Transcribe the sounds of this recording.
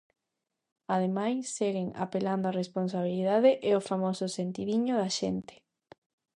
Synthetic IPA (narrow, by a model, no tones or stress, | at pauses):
að̞emajsːeɣɪŋa̰peland̪oarespons̬aβ̞iliðaðeʔeofamosʊsent̪iðiɲʊðaʃent̪e̥